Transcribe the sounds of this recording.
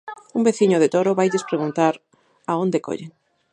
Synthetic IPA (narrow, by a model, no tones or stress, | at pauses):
umbeθiɲoðet̪oɾoβajʎespɾeɣunt̪aɾ | aond̪eko̰ʎeŋ